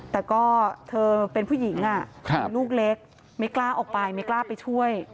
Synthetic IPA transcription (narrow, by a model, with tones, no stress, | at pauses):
t̪ɛː˨˩kɔː˥˩t̪ʰɤː˧pe˧npʰuː˥˩ji˩˦ŋʔa˧˩kʰa˧luː˥˩k̚le˦˥k̚ | ma˥˩jklaː˥˩ʔɔː˨˩k̚pa˧jma˥˩jklaː˥˩pa˧jt͡ɕʰu˥˩əj